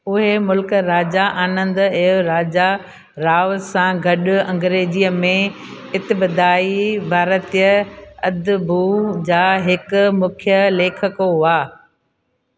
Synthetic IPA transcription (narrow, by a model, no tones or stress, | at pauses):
ʊɦemʊlkɾaːd͡ʑaʔaːnə̃nd̪ɛːʊɾaːd͡ʑa | ɾaːʋsãɡʱɐɗʊɐ̃ŋɡɾeːd͡ʑiəmẽ | ɪt̪ɪbəd̪aːibʱaːɾət̪ijəɐd̪bʱud͡ʑaːɦɪkmʊkʰjəleːkʰəkoɦʊaː